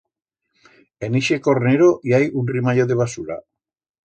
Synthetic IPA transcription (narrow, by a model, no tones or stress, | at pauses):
eniʃekoɾneɾojajunrimajoðeβasuɾa̰